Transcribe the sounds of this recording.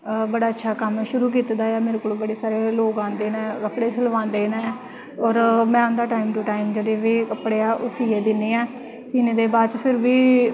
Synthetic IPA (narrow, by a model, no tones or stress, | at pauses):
bəɽaːətːʃʰaːkəmʃʊɾuːk̬iːt̪d̪aːjaːmeːɾeːkoːluːbəɽeːsaːɾeːloːkãːnd̪eːnɛ̃ːʋəkʰɽeːsələʋãːnd̪eːnaː | ɔːɾmɛ̃ːʊnd̪aːʈaːimʈʊʈaːimd͡ʒeːɽeːʋeːkəpɽeːaːʔʊsiːeːd̪ɪnːeːɛː | siːneːd̪eːbaːd̪t͡ʃpʰɪɾʋiː